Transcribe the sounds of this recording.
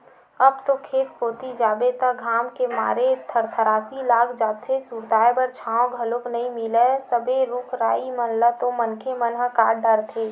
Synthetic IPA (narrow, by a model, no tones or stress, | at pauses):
ɐbt̪okʰeːt̪poːt̪id͡ʒaːbet̪əɡʱaːmkema̰ːɾet̪ʰəɾt̪ʰəɾaːsilaːkʰd͡ʒaːt̪ʰesuːɾd̪aːjbəɾt͡ʃʰaːõɡʱəloknɐĩmɪlesəbʱeɾuːkʰɾaːimənlət̪omənkʰemənɦəkaːɖəɾt̪ʰeː